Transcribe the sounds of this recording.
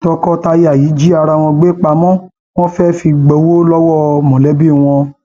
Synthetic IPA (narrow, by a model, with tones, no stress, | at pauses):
tɔ˧kɔ˦ta˧ji˦a˨ji˨˦d͡ʒi˦a˧ɾa˧w̃ɔ̃˧ɡ͡be˦k͡pa˧mɔ̃˦ | w̃ɔ̃˦fɛ˦fi˧ɡ͡bɛ˧wo˦lɔ˦wɔ˦˨mɔ̃˨lɛ˨˦bi˦˨w̃ɔ̃˧